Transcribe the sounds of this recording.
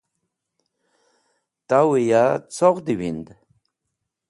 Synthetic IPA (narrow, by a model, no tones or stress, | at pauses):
t̪awijat͡soʁd̪iwind̪